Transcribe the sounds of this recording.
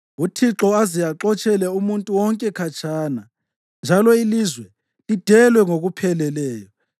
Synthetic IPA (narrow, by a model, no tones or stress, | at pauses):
utʰiǁɔazijaǁɔt͡ʃʼɛlɛumuntʼuwɔŋkʼɛkʰat͡ʃʰʼaːna | nd͡ʒʱalɔilizwɛ | lid̥ʱɛlwɛŋoɣupʰɛlɛlɛːjɔ